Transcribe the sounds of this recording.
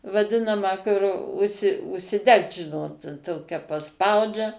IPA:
ʋɐˈdʲɪnɐmɑː kʊr ˈʊʃʲsʲɪ ʊʃʲsʲɪˈdʲɛkt ˈʒʲɪnoːt ˈtoːkʲɛ pɐˈspɐʊd͡ʒʲɛ

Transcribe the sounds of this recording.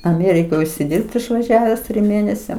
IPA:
ɐˈmʲeːrʲɪkoːj ʊʃʲsʲɪˈdʲɪrpt ɪʃʋɐˈʒʲæːʋʲɛs tʲrʲɪm ˈmʲeːnʲɛsʲɛm

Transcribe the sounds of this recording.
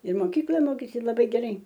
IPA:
ɪr moːˈkʲiːklˠɐ ˈmoːkʲeːsʲɪ lˠɐˈbɐɪ ɡʲɛˈrɐɪ

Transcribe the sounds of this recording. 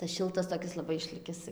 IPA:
tɐs ˈʃʲɪlˠtɐs lˠɐˈbɐɪ toːˈkʲɪs ɪʃʲˈlʲɪkʲɪs

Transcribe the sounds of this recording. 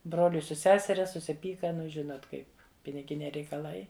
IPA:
ˈbroːlʲʊɪ sʊ ˈsʲæːsʲɛrʲɛ sʊsʲɪˈpʲiːkɐ ˈnʊ ˈʒʲɪnoːt ˈkɐɪ pʲɪnʲɪˈɡʲɪnʲɛɪ rʲɛɪkɐˈlˠɐɪ

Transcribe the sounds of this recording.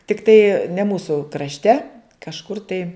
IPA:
tʲɪkˈtɐɪ nʲɛ ˈmuːsʊ krɐʃʲˈtʲɛ kɐʃˈkʊr tɐɪ

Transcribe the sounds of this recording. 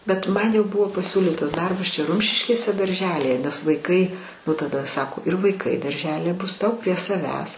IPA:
bʲɛt ˈmɐn jɛʊ ˈbʊʋoː pɐˈsʲuːlʲiːtɐs ˈdɐrbɐs ˈt͡ʃʲɛ ˈrʊmʲʃʲɪʃʲkʲeːsʲɛ dɐrʲˈʒʲæːlʲɪjɛ nʲɛs ʋɐɪˈkɐɪ nʊ tɐˈdɐ ˈsɑːkoː ɪr ʋɐɪˈkɐɪ dɐrʲˈʒʲæːlʲɪjɛ ˈbʊs ˈtɐʊ pʲrʲiɛ sɐˈʋʲæːs

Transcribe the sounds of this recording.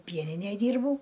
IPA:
ˈpʲiɛnʲɪnʲæj ˈdʲiːrbɐʊ

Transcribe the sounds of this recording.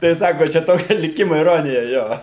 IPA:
tɐɪ ˈsɑːkoː ˈt͡ʃʲɛ ˈtoːkʲɛ lʲɪˈkʲɪmoː ɪˈroːnʲɪjɛ ˈjoː

